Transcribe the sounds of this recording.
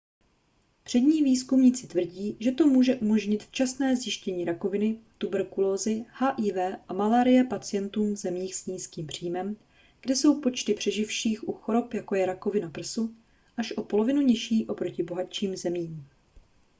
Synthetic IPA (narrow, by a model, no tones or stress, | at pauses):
pr̥ɛdɲiːviːskumɲit͡sɪt̪vr̩ɟiːʒɛt̪o̞muːʒɛʔumo̞ʒɲɪt̪ft͡ʃasnɛːzjɪʃcɛɲiːɾako̞vɪnɪt̪ubɛɾkuloːzɪhaːʔiːvɛːʔamalaːɾɪjɛpat͡sɪjɛnt̪uːmzɛmiːxsɲiːskiːmpr̝̥iːmɛm | ɡ̥dɛso̞wpo̞t͡ʃt̪ɪpr̥ɛʒɪfʃiːxʔuxo̞ɾo̞pjako̞jɛɾako̞vɪnapr̩su | ʔaʃʔo̞po̞lo̞vɪnuɲɛʃiːʔo̞pɾo̞cɪbo̞ɦat͡ʃiːmzɛmiːm